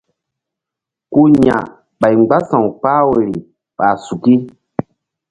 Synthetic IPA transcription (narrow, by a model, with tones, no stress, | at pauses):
ku˦ɲã̰˨ | ɓa˨jŋ͡mɡ͡ba˦sã˨w̃k͡pa˦we˨ɾi˨ | ɓa˨su˨ki˦